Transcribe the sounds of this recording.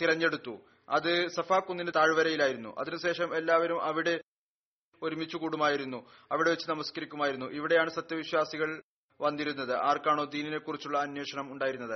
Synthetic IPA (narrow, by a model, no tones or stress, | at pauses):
t̪iɾɐɲːe̞ɽut̪ːu | ɐ̰ðɨsɐfaːkːunːinɨt̪aːɻʋɐɾɐjilaːjiɾunːṵʔɐ̰ðinɨɕe̞ːʂɐme̞lːaːʋɐɾumʔɐʋiɽe̞ | oɾumit͡ɕːukuːɽumaːjiɾunːu | ɐʋiɽe̞ʋet͡ɕːɨnɐmɐskɐɾikʲːumaːjiɾunːuʔiʋiɽe̞jaːɳɨsɐt̪jɐʋiɕwaːsiɣɐɭ | ʋɐnːiɾun̪ːɐðɨʔaːrkaːɳo̞ːd̪iːnine̞kːurit͡ɕːuɭːɐːnjweːʂɐɳɐmuɳɖaːjiɾunːɐðɨ